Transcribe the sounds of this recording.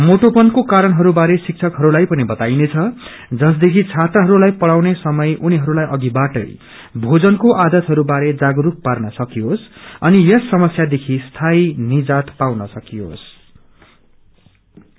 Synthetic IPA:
moʈopʌnkokaɾʌnɦʌɾubaɾesik̚t͡sʰʌkɦʌɾulajpʌnibʌt̪ajnet͡sʰʌ | d͡zʌs̬d̪ekʰit͡sʰat̪rʌɦʌɾulajpʌɽawnesʌmʌjʔuniɦʌɾulajʔʌɡibaʈʌ̰j | bʱod͡zʌnkoʔad̪ʌt̪ɦʌɾubaɾed͡zaɡʌɾup̚parnʌsʌkiosʌnijʌsːʌmʌsjad̪ekʰist̪ʰajnid͡zat̪pawnʌsʌkio̰s

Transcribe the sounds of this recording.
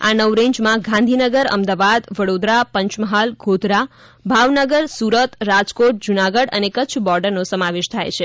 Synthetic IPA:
a̰nəʋɾẽɲd͡ʒmãɡãnd̪ʱinəɡəɾə̰md̪aʋad̪ʋəɽod̪ɾapəɲt͡ʃməɦalɡʱod̪ɾa | bʱaʋnəɡəɾsuɾət̪ɾad͡ʒkoʈ̚d͡ʒunaɡəɽə̰nekət͡ʃʰbɔɾɖəɾnosəmaʋeʃt̪ʰajt͡ʃʰe

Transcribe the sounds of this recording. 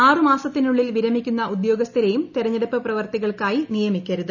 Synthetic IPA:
aːrɨmaːsɐt̪ːinuɭːilʋiɾɐmikʲːunːɐud̪jo̞ːɡɐst̪ʰiɾɐjumt̪iɾɐɲːɐɽɐpːɐprɐʋɐrt̪iɣɐɭkaːjinijɐmikʲːɐɾuðɨ

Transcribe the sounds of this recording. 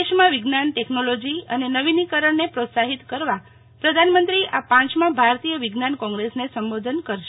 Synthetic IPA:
eʃmãʋɪɡnanʈeknolod͡ʒiənenəʋinikəɾəɳːepɾot̪saɦit̪kəɾʋa | pɾəd̪ʱanmənt̪ɾiʔapãt͡ʃmãbʱaɾt̪ijəʋiɡnankɔ̃ŋɡɾesnesəmbod̪ʱənkəɾʃe

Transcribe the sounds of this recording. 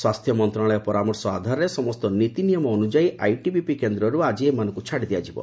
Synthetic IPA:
swast̪ʰjɔmɔnt̪ɾaɭɔjɔpɔɾamɔɾsɔa̰d̪ʱaɾɔɾesɔmɔst̪ɔnit̪inijɔmɔːnud͡ʒaiʔajʈibipikend̪ɾɔɾuad͡ʒiemanɔ̃ŋkut͡ʃʰaɽid̪iad͡ʒibɔ̰

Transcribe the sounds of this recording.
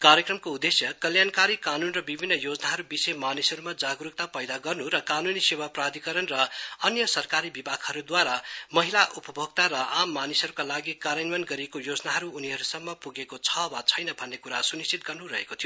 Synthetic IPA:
kaɾjʌkrʌmkoud̪ːesjʌkʌljankaɾikanunrʌbibʱinːʌjod͡zʌnaɦʌɾubisemanisʌɾumad͡zaɡɾuk̚t̪apʌjd̪aɡʌrnuɾʌkanunisewaprad̪ʱikʌɾʌnrʌʌnjʌsʌrkaɾibibʱakhʌɾud̪waɾamʌɦilaʔupʌbʱʌɡ̚t̪aɾʌʔamːanisʌɾukalaɡikaɾjʌnmanɡʌɾiekojod͡znaɦʌɾuːniɦʌɾusʌmːʌpuɡekot͡sʰʌbat͡sʰʌjnʌbʱʌnːekuɾa̰sunist͡sʰit̪̚ɡʌrnuɾʌ̰ɦḛkot̪ʰijo

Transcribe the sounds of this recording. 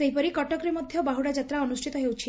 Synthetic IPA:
seɦipɔɾikɔʈɔkɾimɔd̪ʱjɔbaɦuɽad͡ʒat̪ɾaɔnusʈʰit̪ɔɦewt͡ʃʰi

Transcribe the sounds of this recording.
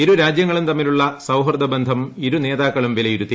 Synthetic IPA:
iɾuɾaːd͡ʑjɐŋːɐɭumt̪ɐmːiluɭːɐsɐwɦrd̪ɐbend̪ʱɐmiɾune̞ːðaːkːɐɭumʋilɐjuɾut̪ːi

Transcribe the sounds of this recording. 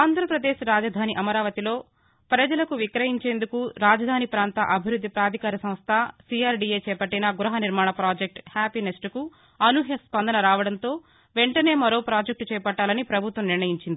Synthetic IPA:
aːnd̪ʱɾɐpɾɐd̪eːʃɾaːd͡ʒɐd̪ʱaːniʔɐmɐɾaːʋɐt̪ilo̞ː | pɾɐd͡ʒɐlɐkuʋikɾɐɦiɲt͡ʃe̞ːnd̪ukuɾaːd͡ʒɐd̪ʱaːnipɾaːnt̪ɐ̰ʔɐbʱiɾud̪ʱːipɾaːd̪ʱikaːɾɐsɐm̃st̪ʰɐsiaːɾɖiːeːt͡ʃɛːpɐʈːinɐɡuɾɐɦɐniɾmaːɳɐpɾaːd͡ʒek̚ʈhaːpinesʈku | ɐnuɦjɐspɐnd̪ɐnɐɾaːʋɐɽɐnt̪o̞ː | ʋeɳʈɐne̞ːmɐɾo̞ːpɾaːd͡ʒek̚ʈt͡ʃɛːpɐʈːaːlɐnipɾɐbʱut̪ʋɐmniɾɳɐjiɲt͡ʃind̪i

